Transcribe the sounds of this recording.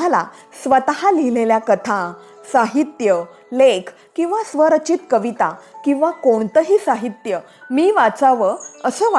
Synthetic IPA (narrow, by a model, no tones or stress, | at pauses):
ala̰ | sʋət̪ɦalileljakət̪ʰã | saɦit̪jə | lekʰ | kĩw̃ʋasʋəɾət͡ɕit̪kəʋit̪akĩw̃ʋakoɳt̪əɦiːsaɦit̪jə | miːʋat͡saʋəəsəːʋ